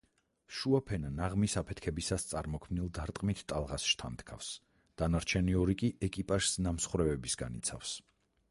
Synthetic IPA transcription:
ʃuapʰɛnanaʁmisapʰɛt̪ʰkʰɛbisast̪sʼaɾmɔkʰmnilˠd̪aɾt̪ʼqʼmit̪ʰt̪ʼalˠʁasʃt̪ʰant̪ʰkʰa̰fs | d̪̥anaɾt͡ʃʰɛniɔɾikʼiɛkʼipʼaʒ̥snamsχwɾɛvɛbisɡanit̪sʰa̰fs

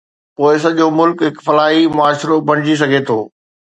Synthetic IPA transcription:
poːɪs̬ɐʄomʊlkɦɪkfɐlaːɦimʊaːʃɾobʱɐɽ̃ɪd͡ʑis̬ɐɡʱet̪ʰoː

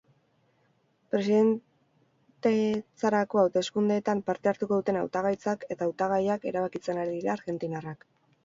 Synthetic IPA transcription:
pɾe̞siðe̞n | t̪e̞t͡saɾako̞awt̪e̞skund̪eːt̪ampaɾt̪e̞aɾt̪uko̞ðut̪e̞na̰wt̪aɣajt͡sake̞t̪aːwt̪aɣ̞ajake̞̰ɾaβakit͡se̞naɾiðiɾaːɾɣe̞nt̪inarak

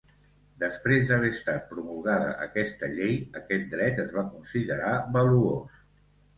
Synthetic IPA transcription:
d̪əspɾezd̪əβ̞eəst̪at̪̚pɾumulˠɣaðə̰ʔə̰kɛst̪əʎejəkɛt̪̚d̪ɾɛt̪əzβakunsiðəɾaβəluos

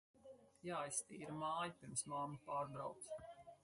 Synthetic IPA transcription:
jaːajst̪iːɾamaːjipiɾmsmamːipaːɾbɾawt̪s

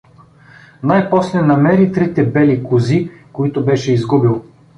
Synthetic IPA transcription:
najpɔslɛnɐmɛɾit̪ɾit̪ɛbɛlikʊzikoit̪obɛʃɛizɡubilˠ

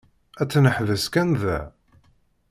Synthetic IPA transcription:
æt͡sːnəħðəskænðæ̰

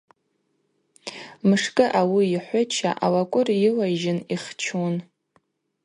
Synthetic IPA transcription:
mɨʂkʼɨʔawiiħʷʊt͡ʃʰa̰ʔawakʷʼʊrjɪlaʒɪniχt͡ʃʰun

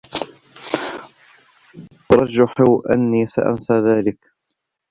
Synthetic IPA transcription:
ɾˤɑd͡ʒʊħɪwʔa̰nːiːsa̰ʔa̰nsaːðaːlɪk

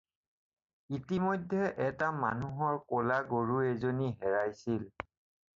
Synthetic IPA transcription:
itimɔjdʱːɛʔɛtama̰nuɦɔɹkolaɡoɹuezoniɦɛɹajsil

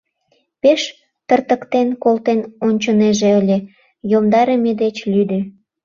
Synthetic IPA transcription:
peʃ | t̪ərt̪ə̆kt̪enkolt̪enonʲt͡ɕoneʒeəlʲe | jomd̪ɑɾemed̪et͡ɕlʲyd̪ø

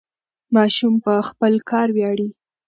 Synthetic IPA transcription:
mɑʃumpəxpəlkʰɑɾwjɑɽi

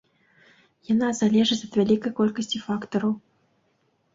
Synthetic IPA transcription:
janazalʲɛʐɨt͡sʲɐt̪vʲalʲikɐjkɔlʲkəsʲt͡sʲifakt̪ɔɾɐw

